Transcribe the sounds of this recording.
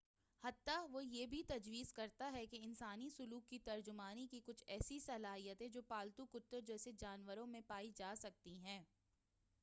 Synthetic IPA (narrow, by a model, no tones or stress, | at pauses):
hɐt̪ːaʋojeːbʱit̪ɐd͡ʒʋiːzkɐɾt̪aɦɛkeɪnsaːnisʊluːkːit̪ɐɾd͡ʒʊmaːnikikʊt͡ʃʰɛːsisɐlaːɦijət̪ɦɛ̃d͡ʒoːpaːlt̪ukʊt̪ːəɾd͡ʒɛːsed͡ʒaːnʋəɾõmẽpaːid͡ʒaːsɐk̚t̪iɦɛ̃ː